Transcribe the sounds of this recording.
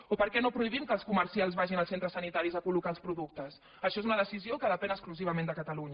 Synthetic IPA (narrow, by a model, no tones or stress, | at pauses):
opəɾkɛnopɾuiβ̞imkəːlˠskuməɾsialˠzβaʒinəlˠsent̪ɾəsənit̪aɾizəkulukaəlˠspɾuðuk̚t̪əs | əʃɔezunəðəsiziokəðəpɛnəkskluziβəmẽnd̪əkət̪əluɲə